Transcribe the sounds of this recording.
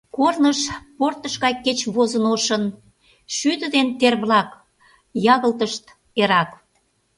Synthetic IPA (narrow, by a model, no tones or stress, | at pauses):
kornəʃport̪əʃɣɑjkːet͡ɕβozənoʃən | ʃyd̪ə̆d̪ent̪erβlɑk | jɑɣəlt̪əʃt̪ | eɾɑk